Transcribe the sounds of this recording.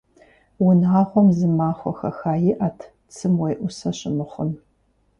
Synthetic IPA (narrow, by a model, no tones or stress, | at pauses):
wʊnaːχʷɔmzɨmaːχʷɔ̰xɐ̰xaːjɪʔaːtʰ | t͡sʰɨmwejʔʷʊsɐɕɪmɨχʷʊn